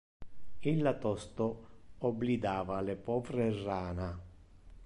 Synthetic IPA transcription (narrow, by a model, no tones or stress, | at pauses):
ilːat̪ɔst̪oɔblid̪aːvalepɔːvɾeraːna